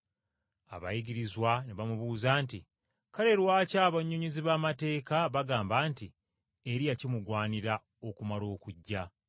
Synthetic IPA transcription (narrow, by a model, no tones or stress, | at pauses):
a̰βa̰jiɡiɾizwaneβamuβuːzaːnti | kaɾe̞ɾwaːcaːβaɲːuɲiziβaːmate̞ːkaβaɡaːmbaːnti | eɾijacimuɡwaːniɾa | o̞kumalo̞ːkuɟːa